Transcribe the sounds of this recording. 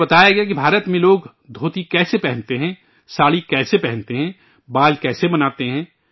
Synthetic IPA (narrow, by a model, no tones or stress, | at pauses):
bɐt̪aːjaɡɐjak̬ibʱaːɾət̪mẽloːɡ | d̪ʱoːt̪ikɛːsepɛɦɛ̃nt̪eɦɛ̃ | saːɭikɛːsepɛɦɛ̃nt̪eɦɛ̃ | baːlkɛːsebɐnaːt̪eɦɛ̃ː